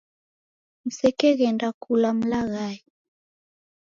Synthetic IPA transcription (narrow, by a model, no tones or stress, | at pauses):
m̩sɛkɛɣɛndakulam̩laɣaːji